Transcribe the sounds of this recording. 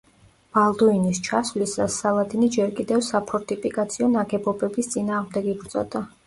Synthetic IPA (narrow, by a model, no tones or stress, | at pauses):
b̥alˠd̪uinist͡ʃʰasvlisasːalˠad̪inid͡ʒɛɾkʼid̪ɛvsapʰɔɾt̪ʼipʰʼikʼat̪sʰiɔnaɡɛbɔbɛbist̪sʼinaːʁmd̪ɛɡiɡɾt̪sʼɔ̰d̪a